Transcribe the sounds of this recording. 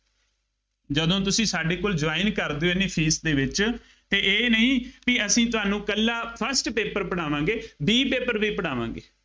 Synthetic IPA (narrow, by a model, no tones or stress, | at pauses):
d͡ʒəd̪õːt̪̬ʊsĩːsaːɖeːkoːld͡ʒʋaːɪnkəɾd̪eːoːɪnːeːpʰiːsd̪eːʋɪt͡ʃ | t̪eːʔeːnəɦĩːpiəsĩːt̪ʊaːnũːkəlːaːpʰəɾsʈpeːpəɾpəɽ̃aːʋãːɡeːbiːpeːpəɾbiːpəɽaːʋã̰ːɡḛː